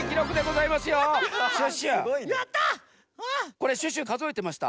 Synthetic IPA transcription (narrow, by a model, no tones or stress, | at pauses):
kʲiɾo̞kɯ̟d̪e̞ɡo̞zaimasɨjoɕɯɕɨjat̪ːa | ko̞ɾe̞ɕɨɕ̬ɨkazɨoit̪e̞maɕi̥t̪a̰